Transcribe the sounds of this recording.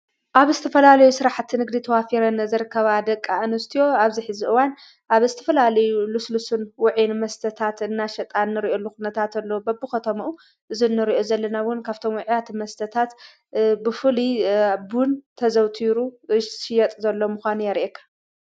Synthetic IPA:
ʔaβzɨt̪ʰɐfɐlalɐjusɨɾaħt̪ʰːnɨɡd̪it̪ʰɐwafiɾɐnzɨɾɨkʰːɐβad̪ɐkʼːaʔɨnɨst̪ʰijo̞aβziħɨziʔɨwan | ʔaβzɨt̪ʰɐfɐlalɐjuluslusɨnwʊʕinmɐst̪ʰɐt̪ʰat̪ɨnːaʃɐt̪ʼanːɨɾiʔolːuxunɐt̪ʰat̪ɐlːobɐbːɨxɐt̪ʰɐmɐʔu | ʔɨzinːɨɾiʔo̞zɐlːɐnawʊnkʰaβt̪ʰo̞mwʊʕijat̪mɐst̪ʰɐt̪ʰat̪ | bɨfɨlibunt̪ʰɐzɐwt̪ʰiɾuʃɪjɐt̪ʼzɐlːo̞mʊxʷanujɛɾiʔekʰːḁ

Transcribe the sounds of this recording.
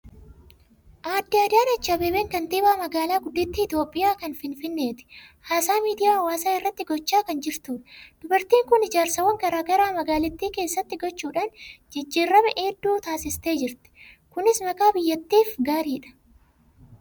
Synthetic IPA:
ʔaːd̪ːɪɐd̪ɪaːnɐt͡ʃːɐbeːbeːŋkɐnt̪iːbaːmɐɡaːlaːɡʊd̪ːɪt̪ːiːɪt̪joːpʼːɪjaːkɐnfɪnfɪnːe̞ːt̪ɪ̥haːsaːmiːd̪ɪjaːɐwaːsaːɪrːɐt̪ːɪɡɔt͡ʃːaːkɐnd͡ʒɪɾt̪uːᶑɐ̥d̪̥ʊbɐɾt̪iːŋkʊnɪd͡ʒaːɾsɐwɐŋɡɐɾaːɡɐɾaːmɐɡaːlɪt̪ːiːke̞ːsːɐt̪ːɪɡɔt͡ʃːuːᶑaːnd͡ʒɛd͡ʒːiːrːɐmɛʔeːd̪ːuːt̪aːsɪst̪e̞ːd͡ʒɪɾt̪ɛ̥ | kʊnɪsmɐkʼaːbɪjːɐt̪ːiːfɡaːɾiːᶑɐ̥

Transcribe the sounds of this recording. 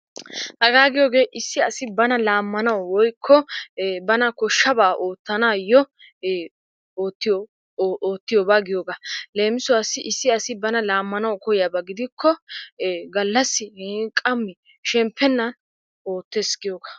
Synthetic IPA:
hɐɡaːɡɪjoːɡe̞ːʔɪsːɪɐsɪbɐnɐlaːmːɐnɐwwɔjkʰːɔbɐnɐkɔʃːɐbaːʔoːt̪ːɐnaːjːɔ | oːt̪ːɪo | ʔoːt̪ːɪjoːbaːɡɪjoːɡale̞ːmɪsʊwasːɪʔɪsːɪɐsɪbɐnɐlaːmːɐnɐwkɔjɪjabɐɡɪd̪ɪkʰːɔ | ɡɐlːɐsːɪkʼɐmːɪ | ʃɛmpʰːɛnːɐn | oːt̪ːɛsɡɪjoːɡa

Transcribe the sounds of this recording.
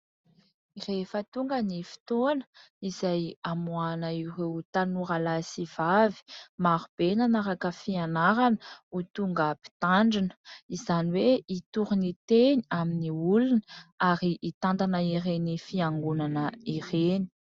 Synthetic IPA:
irefət̪uŋɡənifi̥t̪onə̥ | izajamuanəirewt̪anuɾalasiv̥avi̥maɾub̥enanaɾakəfianaɾanə̥ut̪uŋɡəpi̥t̪aɳɖ͡ʐinə̥izaniweit̪uɾunit̪eniaminiulunəaɾiʔːt̪and̪anəiɾenifiaŋɡunanəireni̥

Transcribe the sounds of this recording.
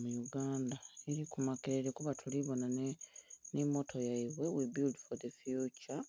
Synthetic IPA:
mujuɡaːndaeɾikumakeɾeɾekuβatʰuliβo̞na | nemo̞tʰo̞jaiβwe̞wibildfoðefjut͡ʃa

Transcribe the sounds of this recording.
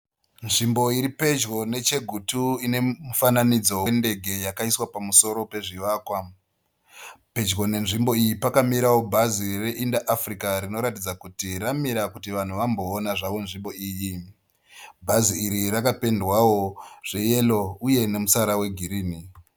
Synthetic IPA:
nʐimbo̞iɾipe̞d͡ʒɡo̞ne̞t͡ʃe̞ɡʱutuine̞mufananid͡zo̞wende̞ɡʱe̞jakaiswapamuso̞ɾo̞pe̞ʐiʋaːkwa | pe̞d͡ʒɡo̞ne̞nʐimbo̞ijipakamiɾawobʱazire̞ʔindaʔːfrikaɾino̞ɾatid͡zakutiramiɾakutiʋan̤uʋambo̞ːnaʐaʋo̞nʐimbo̞iːji | bʱaziiɾirakape̞ndwawo̞ʐ̥e̞je̞lo̞uje̞ne̞musaɾawe̞ɡʱiɾiːni

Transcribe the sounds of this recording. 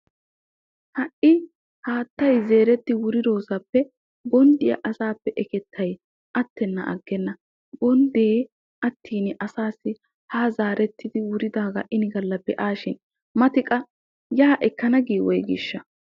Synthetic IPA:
hɐʔɪ | haːt̪ːɐjze̞ːɾɛt̪ːɪwʊɾɪd̪o̞ːsɐpːɛ | ɡɔnd̪ɪjɐ̰ʔɐsaːpːɛʔɛkɛt̪ʰːɐj | ʔɐt̪ːɛnːɐ̰ʔɐ̰ɡːɛnːɐ | ɡɔnd̪eː | ʔɐt̪ːiːnɪʔɐsaːsːɪ | haːzaːɾɛt̪ːɪd̪ɪwʊɾɪd̪aːɡɐ̰ʔɪnɪɡɐlːɐbɛʔaːʃɪn | mɐt̪ɪkʼɐ | jaːʔɛkːɐnɐɡiːwɔjɡɪʃːɐ

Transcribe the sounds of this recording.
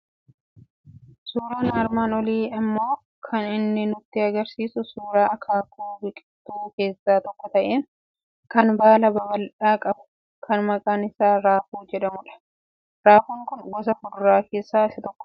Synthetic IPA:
suːɾaːnaːɾmaːnɔliːɪmːo̞ː | kʰɐnɪnːɪnʊt̪ːɪɐɡɐɾsiːsʊsuːɾaːɐkʰaːkuːbɪkʼɪ̥t̪ːuːke̞ːsːaːt̪ɔkːɔt̪ɐʔeːŋ | kɐnbaːlɐbɐbɐlᶑaːkʼɐbʊ̥ | kʰɐnmɐkʼaːnɪsaːɾaːfuːd͡ʒɛᶑɐmʊᶑɐ̥ | ɾaːfuːŋkʊnɡɔsɐfʊdʊɾaːke̞ːsːaːɪsɐt̪ɔkːɔ̥

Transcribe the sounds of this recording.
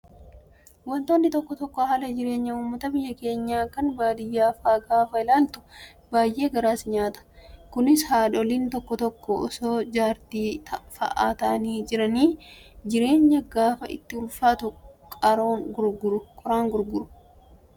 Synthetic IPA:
wɔnt̪oːnːɪt̪ɔkːɔt̪ɔkːɔɦɐlɐd͡ʒɪɾe̞ːɲːɐuːmːɐt̪ɐbɪjːɐke̞ːɲːaːkɐnbaːd̪ɪjːaːfaːɡaːfɐɪlaːlt̪ʊ̥ | baːjʔe̞ːɡɐɾaːsɪɲaːt̪ɐ̥kʊnɪshaːᶑɔliːnt̪ɔkːɔt̪ɔkːɔɔsoːd͡ʒaːɾt̪iːt̪ʰɐfɐ̰ʔa̰ːt̪ɐniːd͡ʒɪɾɐniːd͡ʒɪɾe̞ːɲːɐɡaːfɐɪ̰t̪ːɪʊlfaːt̪ʊkʼɐɾo̞ːŋɡʊɾɡʊɾʊkʼɔɾaːŋɡʊɾɡʊɾʊ̥

